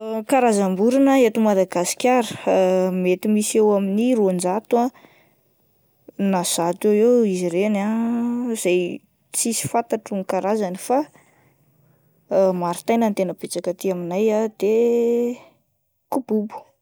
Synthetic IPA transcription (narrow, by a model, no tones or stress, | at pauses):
kaɾazambuɾinəet̪umad̪aɡasi̥kʲaɾə̥met̪imisewaminiɾuand͡ʒat̪uã | naz̥at̪ewewiziɾena | z̥aj | t͡sisi̥fant̪aʈ͡ʂuŋikaɾazanifa | maɾit̪ajnant̪enəbet͡sakət̪iaminajad̪̥e | kububu̥